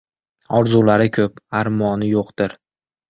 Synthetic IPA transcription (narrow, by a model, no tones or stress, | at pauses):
ɒɾzulaɾɪkʲʰɵpaɾmɒnɪjoqd̪̥ɪɾ